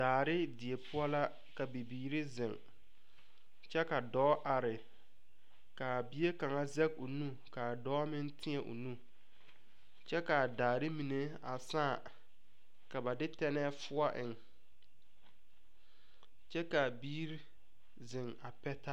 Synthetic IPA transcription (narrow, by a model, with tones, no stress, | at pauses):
daː˨ɾɪ˦dɪ˨e˨pʰʊ˦ɔ˦la˦ | ka˨bi˨biː˨ɾi˦zɪ˨ŋ | t͡ʃɛ˦ka˨dɔː˦ʔa˨ɾɪ˨ | ka˨bi˦e˦ka˨ŋa˦zɛ˦ɡ̚o˨nũ˦ | ka˨dɔː˦mɪ̃˦n˦tʰɪ˦ɛ˨ʔo̰˨nũ˦ | t͡ʃɛ˦ka˨daː˨ɾɪ˦mi˨ne˨ | a˨saː˦˨ | ka˨ba˨dɪ˦tɛ˦nɛː˦fʊ˦a˦ʔɪ˨ŋ | t͡ʃɛ˦ka˨biː˦ɾi˦ | zɪ˨ŋa˨pɛ˦ta˦